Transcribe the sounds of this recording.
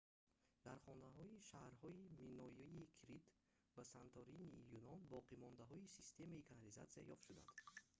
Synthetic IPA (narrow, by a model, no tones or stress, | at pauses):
d̪̥aɾχɔnaɦɔiʃahɾhɔiminɔjiikʰɾit̪ | basant̪ʰɔɾinijunɔnbɔqʰimɔnd̪aɦɔisist̪ʰe̞maikʰanaliza̰t̪sia̰jɔft̪ʃud̪a̰nd̪̥